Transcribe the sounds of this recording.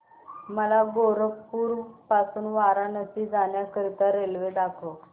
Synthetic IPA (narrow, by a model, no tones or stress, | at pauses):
məlaɡoɾəkpuːɾpasuːnʋaɾanəsiːd͡zanjakəɾit̪aɾelʋed̪akʰo